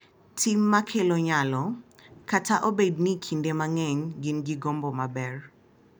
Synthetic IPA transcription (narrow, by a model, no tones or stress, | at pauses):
tʰimːakʰeloɲalɔkataʔobednikʰindemaŋɛɲɡɪnɡiɡombɔmabɛr